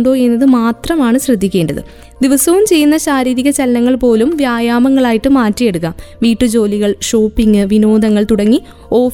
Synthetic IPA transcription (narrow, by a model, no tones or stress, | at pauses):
ɳɖoːe̞nːɐðɨmaːt̪rɐmaːɳɨɕrɐd̪ʱːikʲːe̞ːɳɖɐðɨ̰ | d̪iʋɐsɐʋumt͡ɕe̞jːunːɐɕaːɾiːɾiɣɐt͡ɕɐlɐnɐŋːɐɭpo̞ːlumʋjaːjaːmɐŋːɐɭaːjiʈːɨmaːtːije̞ɽukːamʋiːʈːɨd͡ʑo̞ːliɣɐɭʂoːpːiŋɡɨʋinoːd̪ɐŋːɐɭt̪uɽɐŋːi | o̞ːf